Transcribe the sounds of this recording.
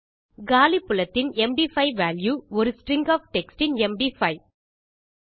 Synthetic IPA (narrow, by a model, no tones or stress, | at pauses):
ɡaːlipːʊlɐt̪ːɪnɛmɖifɐɪʋaːljuɔɾɯsʈrɪŋɡaːfʈɛksʈɪnɛmɖifɐɪ